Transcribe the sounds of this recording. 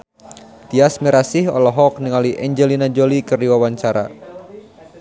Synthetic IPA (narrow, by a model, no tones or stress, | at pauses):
t̪iasmiɾasɪhɔ̰lɔɦɔk̚niŋaliʔɛɲd͡ʒɛlinad͡ʒolikɨrdiwawaɲt͡ʃaɾa̰